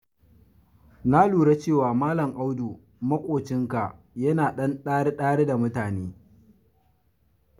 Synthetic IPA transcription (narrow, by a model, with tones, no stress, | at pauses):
na˦luː˨ɽe˦t͡ʃeː˦˨waː˨maː˦lɐ˨ŋʔa˦wdu˨ | mɐ˦kʷʼoː˨t͡ʃɪ˦ŋka˨ | jɐ˦naː˨ɗɐ˦nɗaː˦ɽe˦ɗaː˦ɽe˦da˨mʊ˦taː˨neː˦